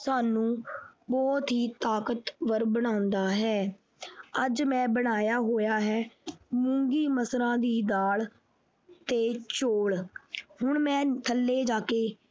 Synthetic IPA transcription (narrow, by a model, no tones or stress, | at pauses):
saːnũːbɔːt̪ɦiːt̪aːkət̪ʋəɾbəɽ̃ãːʊnd̪aːɦɛː | əd͡ʒmɛ̃ːbəɽ̃aːjaːɦoːjaːɦɛːmʊ̃ːŋɡiːməsɾãːd̪iːd̪aːɭ | t̪eːt͡ʃoːɭhʊɳmɛ̃ːt̪ʰəlːeːd͡ʒaːkeː